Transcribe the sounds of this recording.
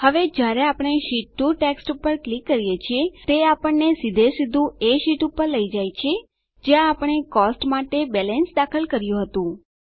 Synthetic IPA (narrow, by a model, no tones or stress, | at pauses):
həʋed͡ʒjaɾeapəɽ̃eʃiʈːuʈeksʈupəɾklikːəɾijet͡ʃʰiet̪eapəɳːesid̪ʱesid̪ʱũeʃiʈupəɾləid͡ʒajt͡ʃʰe | d͡ʒejãːpəɳ̃ekɔsʈmaʈebɛlɛnsd̪akʰəlkəɾjũɦət̪ũ